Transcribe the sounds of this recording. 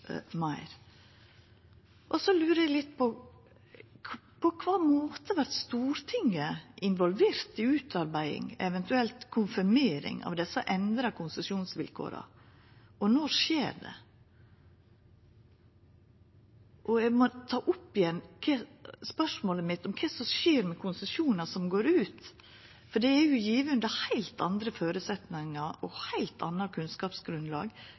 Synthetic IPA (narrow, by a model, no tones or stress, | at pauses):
mɑɪɾ | ʔɔsɔlʉːɾəɛɡlɪt̪ːpʰɔ | pʰɔkʰʋɑːmoːt̪əʋæɾt̪st̪uːɾt̪ʰɪŋːəʔɪnʋɔlʋeːɾt̪ɪʉːt̪ʰɑɾbæɪɪ̰ŋɛʋɛnt̪ʉɛlt̪kʰʊnfɪɾmeːɾɪ̰ŋɑ̰ʋd̪ɛsəʔɛnd̪ɾɑkʰʊnsəsɪuːnsʋɪlkʰo̰ːɾɑ̰ | ɔnɔɾʂeːɾɖ̪ɛ̰ | ʔɔæɡmɔt̪ʰɑːʔʊpːɪjɛnːkʰɛspœʂmoːləmɪt̪ːɔmkʰɛsɔʃeːɾmɛkʰʊnsəsjuːnɑsɔmɡoːɾʉːt̪ | fɔɖɛæɾjʊjiːʋəʉnd̪əhæɪlt̪ɑnd̪ɾəføːɾʉsɛt̪nɪŋɑɾʔɔhæɪlt̪ʰɑ̰nːɑkʰʉnskɑːpsɡɾʉnd̪lɑ̰ːɡ